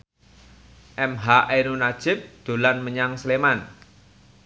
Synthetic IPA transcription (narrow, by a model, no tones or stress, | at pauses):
ʔɛmɦaʔenunḁʒ̥ɪp̚d̪̥o̤lanməɲaŋsəleman